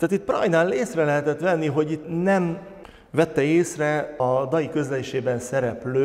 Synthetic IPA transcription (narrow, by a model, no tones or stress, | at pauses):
t̪aːt̪it̪̚prɒ̰jnaːleːsrɛlɛɦɛt̪ɛt̪ʋɛnːiɦo̞ɟit̪nɛm | vɛt̪ːɛeːsrɛɒd̪ɒjikø̞zlɛliʃeːbɛnsɛɾɛpløː